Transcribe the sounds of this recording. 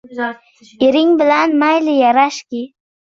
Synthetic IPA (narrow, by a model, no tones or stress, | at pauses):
eɾɪŋbɪlanmajlɪjaɾaʃkʲi